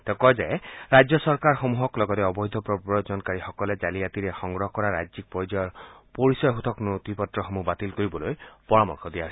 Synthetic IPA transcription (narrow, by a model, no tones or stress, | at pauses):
t̪ekɔjzaeɹajd͡ʒɔsɔɹkaɹxomuɦɔklɔɡɔt̪ɛɔbɔjd̪ʱɔpɹɔpɔjod͡ʒɔnkaɹixɔkɔled͡ʒaliat̪iɾexɔŋɡɾɔɦɔkɔɹaɾajzik̚pɔjd͡ʒɔjɔɹpoɹisɔjɦut̪ʰɔknut̪ipɔtɹɔxomubat̪ilkoɹibɔlojpɔɹamɔ̰ɹxʰɔd̪ijaɦs